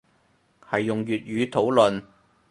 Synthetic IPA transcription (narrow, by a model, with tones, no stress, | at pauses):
hɐ˨jːʊ˨˩ŋjyː˨t̚jyː˨˧t̪ʰo˨˥wlɵ˨n